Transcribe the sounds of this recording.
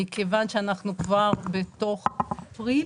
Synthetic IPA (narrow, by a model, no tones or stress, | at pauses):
ikevanʃeanaχnukvaʁbeto̞χpʁi